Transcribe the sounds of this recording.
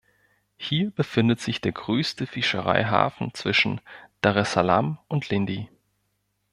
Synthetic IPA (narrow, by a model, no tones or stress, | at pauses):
hiːɐbəfɪndətz̥ɪçd̥eːɐɡʁøːstəfɪʃə̰ʁa̰ɪɦa̰ːfn̩t͡sv̥ɪʃn̩d̥aʁɛsala̰mʊntʰlɪndi